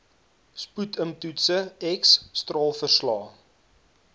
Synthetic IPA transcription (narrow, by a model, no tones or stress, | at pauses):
sputʰəmtutsəɛksːtrɑːlˠfərslɑː